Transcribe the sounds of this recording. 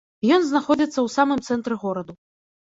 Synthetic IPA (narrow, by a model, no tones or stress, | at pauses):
jɔnznaxɔd͡zʲit̪sːɐwtsamɨmt̪sɛnt̪ɾɛɣɔɾɐd̪u